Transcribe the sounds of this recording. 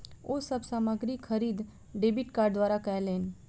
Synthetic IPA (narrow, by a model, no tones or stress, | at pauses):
oːsəbsaːməɡɾikʰəɾiːd̪ | ɖeːbɪʈkaːɾɖd̪ʋwaːɾakɐeleːn